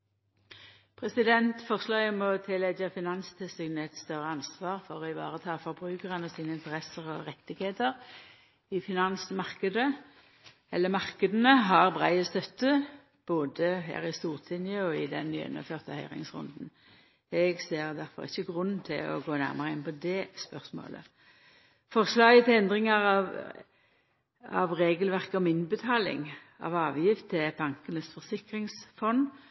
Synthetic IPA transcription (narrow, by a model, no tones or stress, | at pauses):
pʰʁɛsɪd̪ɛnt̪fɔʁslɑɪɔmɔt̪ʰɪlːɛɡəfɪnɑnst̪ʰɛsɪɡnəɛt̪st̪œʁːəɑnsʋɑːʁfɔʁɔɪʋɑ̰ːʁət̪ʰɑːfɔʁbʁʉːkəʁənɔsiːnəɪnt̪əʁɛsəʁɔʁɛt̪ːɪɡheːt̪əʁ | ɪfɪnɑnsmɑʁkəd̪ə | ɛlːəmɑʁkəd̪ənəɦɑʁbʁæ̰ɪəst̪œt̪ːə | b̥oːd̪əɦæ̰ːʁɪst̪uːʁt̪ʰɪnjəɔɪd̪ɛnːy̰ːɛ̰nːə̰føːʁt̪əhœʏʁɪ̰ŋsʁʊ̰nd̪n̩ | ɛɡseːʁd̪æʁfɔ̰ʁɪ̰çːəɡʁʉnt̪ʰɪ̰lɔ̰ɡoːnæ̰ʁmɑʁəɪnpɔd̪ɛspœʁsmo̰ːlə̰ | fɔʁslɑːɡət̪ʰɪlɛnd̪ʁɪŋɑʁɑʋ | ɑ̰ʋʁeːɡəlʋæʁkəɔmɪnbət̪ʰɑːlɪ̰ŋ | ʔɑ̰ʋɑːʋjɪft̪ʰːɪb̥ɑŋkənəsfɔʁsɪkʁɪŋsfɔn